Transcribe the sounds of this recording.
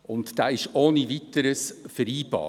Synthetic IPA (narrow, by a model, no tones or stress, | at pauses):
ʊntd̥aːɪʃoːnivitəɾəsfəɾiːb̥ɑ̰ː